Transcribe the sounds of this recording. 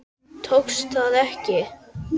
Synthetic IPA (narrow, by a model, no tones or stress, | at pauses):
t̪ʰowkst̪θaðɛhcɪ